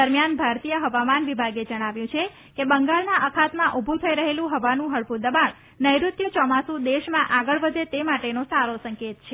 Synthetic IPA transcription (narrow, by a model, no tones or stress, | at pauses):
əɾmjanbʱaɾt̪ijəɦəʋamanʋibʱaɡed͡ʒəɽ̃aʋjũt͡ʃʰe | kebəŋɡaɭnaʔəkʰat̪mãʔubʱut̪ʰəiɾəɦelũɦəʋanũɦəɭpud̪əbaɳ | nəjɾut̪jət͡ʃɔmasũd̪eʃmãʔaɡəɭʋəd̪et̪emaʈenosaɾosəŋket̪t͡ʃʰe